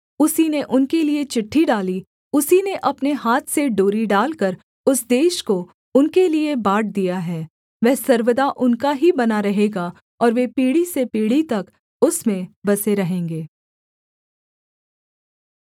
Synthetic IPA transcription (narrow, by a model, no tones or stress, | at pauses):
ʊsineʔʊnkeliet͡ʃɪʈʰːiɖaːli | ʊsineʔɐpneɦaːt̪ʰseɖoːɾiɖaːlkɐɾ | ʊsd̪eːʃko | ʊnkeliebaːʈ̚d̪ijaɦɛː | ʋɛɦsɐɾʋəd̪aʔʊnkaɦibɐnaɾɐɦeːɡa | ɔːɾʋepiːɽisepiːɽit̪ɐk | ʊsmẽbɐseɾɐɦẽːŋɡeː